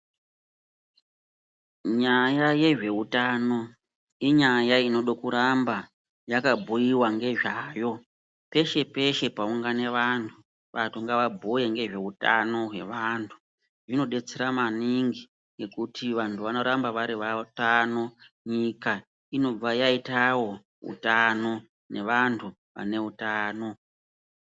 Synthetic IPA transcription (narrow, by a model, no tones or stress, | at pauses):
ɲajaje̞ʐe̞utano̞ | iɲajaino̞ɗokuɾamba | jakabʱujiwaŋɡe̞ʐaːjo̞ | pe̞ʃe̞pe̞ʃe̞pauŋɡane̞ʋantʰu | ʋatʰuŋɡaʋabʱujeŋɡe̞ʐe̞uta̰no̞ɦwe̞̰ʋaːntʰu̥ | ʐino̞ɗe̞t͡seɾamaniŋɡi | ŋɡe̞kutʰiʋantʰuʋano̞ɾambaʋaɾiʋatano̞ | ɲika | ino̞b͡vajaitawo̞ | ṵtano̞ | ne̞ʋantʰu | ʋa̰ne̞utaːno̞